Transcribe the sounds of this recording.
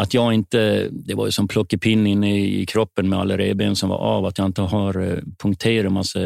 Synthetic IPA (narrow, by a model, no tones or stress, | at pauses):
at̪jɑːɡɪnt̪əd̪ɛva̰ɾjʉsɔmpʰlɔkːəpʰɪnːɪnːəɪkʰɾɔpːənmɛa̰lːəɾḛːbeːnsɔmva̰ɾɑ̰ːvat̪jɑɪnt̪əɦɑɾpʰɵŋkt̪ʰeːɾamasːə